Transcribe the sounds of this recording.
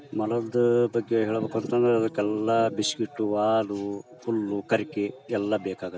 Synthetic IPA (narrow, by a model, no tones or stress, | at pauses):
mɐlɐd̪ɐbɐɡːeɦɛːɭɐbɐkɔnt̪ɐnd̪ɐɾeɐd̪ɐkːɛlːɐbiskiʈːuʋaːlupulːukɐɾikeɛlːɐbeːkaːɡɐt̪ː